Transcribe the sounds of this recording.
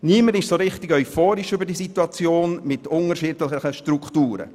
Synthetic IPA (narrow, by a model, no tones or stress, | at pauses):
niːmənɪʃsoɾɪχtɪɡœʏfoːɾiʃʏbəɾdisituɑt͡sjoːnmɪtʊŋərʃiːdləχəχəʃtrukχtuːɾə̰